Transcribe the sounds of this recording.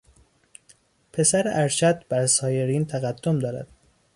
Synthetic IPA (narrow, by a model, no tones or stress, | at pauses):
pʰe̞sæɾeʔæɾʃʰæd̪bæɾsɒːje̞ɾiːnt̪ʰæɣæd̪ːomd̪ɒːɾæ̰d̪̥̚